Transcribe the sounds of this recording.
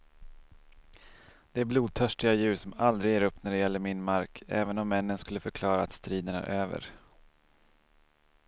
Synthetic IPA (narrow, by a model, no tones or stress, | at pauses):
d̪̥ɛæɾbluːd̪̚t̪ʰœʂʈɪɡajʉ̟ːʂɔmald̪ɾɪɡjeːɾɵpːnæɖɛjɛlːəɾmɪnmaɾkʰɛ̰ːvənɔmːɛnːənskɵlːəfœɾkʰlɑːɾaat̪st̪ɾiːd̪ənæ̰ɾʔøːvə̰ɾ